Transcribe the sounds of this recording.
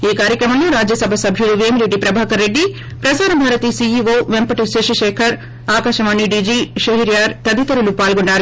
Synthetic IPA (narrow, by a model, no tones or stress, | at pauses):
iːkaːɾjɐkɾɐmɐnːuɾaːd͡ʒjɐsɐbʱɐsɐbʱjuɾuʋeːmileʈːipɾɐbʱaːɐkɐɾːeɖːi | pɾɐsaːɾɐbʱaːɾɐt̪iːsiiʋoːʋempɐʈiʃeʃiʃeːkʰɐɾ | aːkaːʃɐʋaːɳːiɖiːd͡ʒiʃɐɦiɾjaːɾt̪ɐd̪it̪ɐɾɐlupaːlɡoɳɖaːɾ